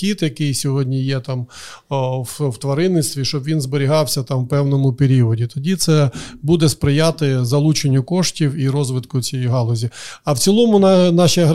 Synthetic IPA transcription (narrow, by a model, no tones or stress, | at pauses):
kʲit̪jɐkɪjsʲɔɦɔdʲnʲijɛt̪ɑm | wwt̪ʋɐɾɪnːɪst̪ʋʲiʃt͡ʃɔbʋʲinzbeɾʲiɦɑwsʲɐt̪ɑmwpɛwnɔmʊpeɾʲiɔdʲit̪ɔdʲit̪sɛbud̪ɛspɾɪjat̪ɪzɐlˠut͡ʃenʲːʊkɔʃtʲiwiɾɔzʋɪt̪kʊt͡sʲijɛjɦɑlˠɔzʲiɐwt͡sʲilˠɔmʊnnɑʃɐɦ